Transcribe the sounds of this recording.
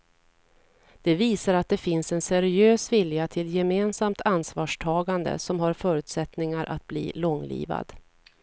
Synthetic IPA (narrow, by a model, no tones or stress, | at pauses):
d̪̥ɛviːsaɾat̪̚d̪ɛfɪnsɛnsɛɾɪøːsvɪljat̪ʰɪljɛmeːnsamt̪ʰansvɑːʂʈʰɑːɡand̪ə̰sɔmɦaɾfœːɾʉ̟ːt̪sɛt̪nɪŋaɾʔa̰t̪̚blḭːlɔŋlḭːva̰d̪̥